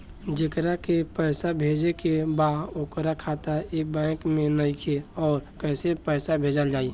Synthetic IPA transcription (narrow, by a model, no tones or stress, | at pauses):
d͡ʒɪkɾakepɛɪsabʱeːd͡ʒekebaokɾakʰat̪aebɛ̃ːkmẽnəkʰeɔːɾkɛːsepɛːsabʱeːd͡ʒəld͡ʒaːi